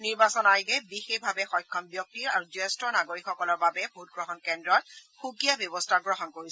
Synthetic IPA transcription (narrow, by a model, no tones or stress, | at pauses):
niɹbasɔnajɡɛbixexbʱabɛxɔjkʰːɔnbjɔk̚tiɹaɹuzuɛstɔnaɡoɹikxɔkɔlɔɹbabɛbʱut̚ɡɹɔɦɔnkɛndɹɔt̚xukijabjɔbɔstʰaɡɹɔɦɔnkoɹis